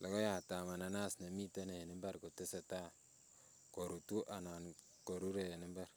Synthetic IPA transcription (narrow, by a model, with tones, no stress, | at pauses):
lo˨ɡo˦ja˨ta˨ma˨na˨na˦sna˨mi˦te˦ne˨ni˦mba˦ɾko˨te˦se˨ta˦ | ko˨ɾu˨tu˦ʔa˨na˨n | ko˨ɾu˦ɾe˨ni˦mba˦ɾ